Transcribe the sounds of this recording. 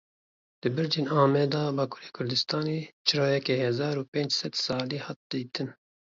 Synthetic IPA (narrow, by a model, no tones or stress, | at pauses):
d̪̥ɨbɨɾd͡ʒeːnɑːmɛːd̪ɑːbɑːkʰu̥ːɾeːkʰʊɾd̪ɨst̪ɑːneːt͡ʃʰɨɾɑːjɛkɛhɛzɑːɾuːpeːnd͡ʒsɛd̪sɑːliːhɑːt̪̚d̪̥iːt̪ʰɨn